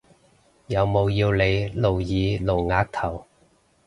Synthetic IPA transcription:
jɐ˨˧wmo˨˧wjiː˧wle˨˧jlo˨wjiː˨˧lo˨wŋaː˨˧˥k̚t̪ʰɐ˨˩w

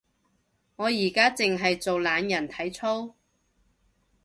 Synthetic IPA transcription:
ŋɔː˨˧jiː˨˩kaː˥t͡sɪ˨ŋɦɐ˨jt͡so˨wlaː˨˧njɐ˨˩nt̪ʰɐ˨˥jt͡sʰo˥w

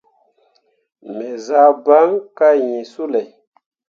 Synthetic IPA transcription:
mɛ˨za˦ba˦ŋka˦˨jĩ˨su˦lɛ˨

